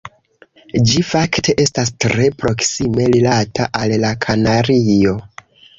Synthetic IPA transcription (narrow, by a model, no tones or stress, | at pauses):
d͡ʒifakte̞ʔe̞stas̬tɾe̞pɾo̞ksime̞lilatʰaʔallakʰanaɾio̞